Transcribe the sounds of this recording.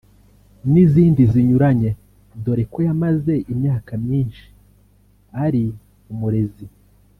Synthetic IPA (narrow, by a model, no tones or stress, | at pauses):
niziːndiziɲuɾaɲe̞ | do̞ɾe̞kojamaze̞ʔimɲaːkamɲiːnʃi̥ | aɾi | umuɾe̞zi